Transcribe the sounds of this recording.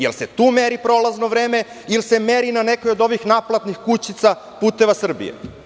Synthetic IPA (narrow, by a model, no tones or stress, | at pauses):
jḛlse̞t̪uːmeɾipɾo̞laznoʋɾeːme̞ | ilse̞meɾinanekojod̪o̞ʋixnaplat̪nixkut͡ɕit̪sa | puːt̪e̞ʋasr̩bḭjḛ